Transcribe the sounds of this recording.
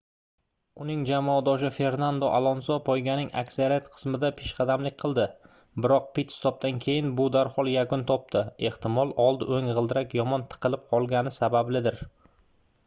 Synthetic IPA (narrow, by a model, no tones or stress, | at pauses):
ʊnɪŋd͡ʒamːd̪ɒʃɪfe̞ɾnand̪oʔalˠɒnsɒpʰɒjɡʲanɪŋa̰kʲsaɾijat̪qʰɨ̥smɪd̪apʰeʃqʰɑd̪amlɪk̚ʲqʰɨlˠd̪ɪ | bɪɾɒq̚pɪt̪hɪ̥sɒb̚t̪ankʲʰe̞jɪnbʊd̪aɾhɒlˠjakʊnt̪ʰɒp̚t̪ʰɪe̞ht̪ɪmɒlˠɒlˠd̪ɪʔoŋʁɨlˠd̪ɪɾakʲjɒmɒnt̪ʰɨ̥qʰɨlɪp̚qʰɒlˠɡʲanɪsabablɪd̪ɪɾ